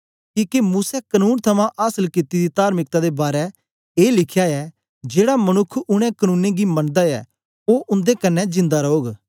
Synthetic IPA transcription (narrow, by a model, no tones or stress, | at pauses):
kiːkemuːsɛkənuːnt̪ʰɐmãʔaːsəlkɪt̪ːid̪it̪aːɾmɪk̚t̪ãd̪ebaːɾɛ | eːlɪkʰjaɛ | d͡ʒeːɽamɐñʊkʰːʊɽ̃ɛ̃kənũːnẽɡimɐ̃nd̪aɛ̰ | oːʔʊ̃nd̪ekɐnːɛd͡ʒɪ̃nd̪aɾɐoːɡ